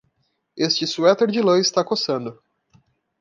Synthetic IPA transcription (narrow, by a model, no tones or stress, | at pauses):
est͡ʃɪsuɛt̪eɾd͡ʒɪlɐ̃ɪst̪akosɐ̃nd̪ʊ